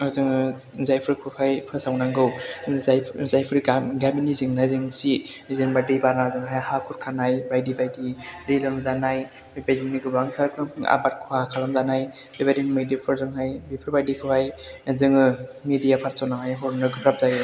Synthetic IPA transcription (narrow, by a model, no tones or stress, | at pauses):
ɯzɯŋzajpʰɯɾkʰupʰajpʰɯɾsawnaŋɡɯwjʰzajpʰɯɾiɡabiniziŋnaziŋsizenbadibaɾnazɯŋɦajhakʰuɾkʰanajbajdibajdidilɯŋzanaj | bajdiniɡɯbaŋtʰaɾkʰɯa̰bat̚kʰuakʰalamzanajbebadimɯjdipʰɯɾzɯŋɦajbipʰɯɾbajdikʰɯpʰajzɯŋɯmidijapʰaɾsɔnaŋajɦɔɾnɯɡɯpʰɾap̚zaj